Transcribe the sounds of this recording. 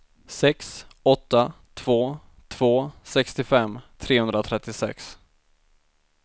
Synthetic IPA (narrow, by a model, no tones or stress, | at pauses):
sɛksɔt̪ːat̪ʰv̥oː | t̪ʰv̥oːsɛkst̪ɪfɛmːt̪ʰɾeːhɵnd̪ɾat̪ʰɾɛt̪ːɪsɛ̰ks